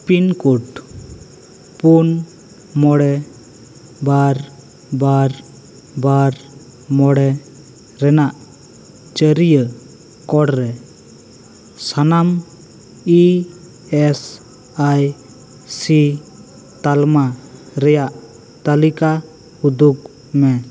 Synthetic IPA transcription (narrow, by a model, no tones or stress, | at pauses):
pinkuʈ | pun | mɔɽɛ | baɾ | baɾ | baɾ | mɔɽɛ | ɾɛnaʔ | t͡ʃəɾijə | kɔɽɾɛ | sanam | i | ɛs | aj | si | t̪alma | ɾɛjaʔ | t̪alika | ud̪uk | mɛ